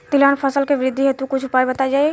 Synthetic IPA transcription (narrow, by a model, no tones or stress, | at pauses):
t̪ɪlaːnpʰɐsəlkeʋɪɾɪd̪ʱːiɦet̪ũkʊt͡ʃʰpaːjbɐt̪ad͡ʒaːe